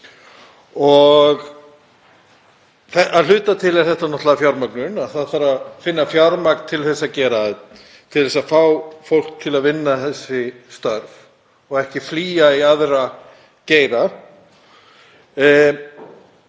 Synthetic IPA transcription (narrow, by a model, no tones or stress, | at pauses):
ɔɣ | θɛaðl̥ʏːt̪at̪ʰɪlɛɾ̥θɛht̪anɔht̪laðafjawɾmaknʏnaðθaðθaɾaðfɪnːafjaɾmaknt̪ʰɪlθɛsːaðcɛːɾa | t̪ʰɪlθɛsaðfawfowl̥k̚t̪ʰɪlaðvɪnːaθɛsːɪst̪œɾv | ɔɣɛhcɪfliːaiaðɾa | ceːjɾa